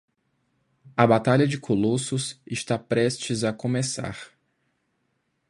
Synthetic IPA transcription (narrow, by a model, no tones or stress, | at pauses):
ɐbat̪aʎɐd͡ʒɪkʰolosʊsɪst̪apɾɛst͡ʃɪzɐkõmesa̰ɾ